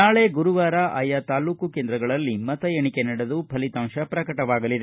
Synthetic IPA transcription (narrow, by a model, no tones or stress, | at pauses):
naːɭe̞ɡuɾuʋaːɾaʔɐ̰jat̪aːluːkukeːnd̪ɾɐɡɐɭɐlːimɐt̪ɐjeɳikenɐɽɐd̪upʰɐlit̪aːmʃɐpɾɐkɐʈɐʋaːɡɐlid̪e